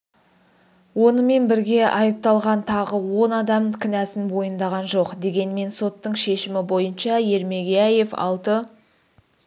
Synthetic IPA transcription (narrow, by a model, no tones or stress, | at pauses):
wo̞nəme̞nbɪɾɡʲe̞ʔɑjəp̚t̪ɑlˠʁɑnt̪ʰɑʁəwo̞nɑd̪ɑmkʲʰɪnæsɪnbo̞jənd̪ɑʁɑnʒo̞qd̪e̞ɡʲe̞nme̞nso̞t̪ːəɴʃe̞ʃɪmɪbo̞jənʃɑje̞ɾme̞ɡʲejæje̞fɑ̰lˠt̪ə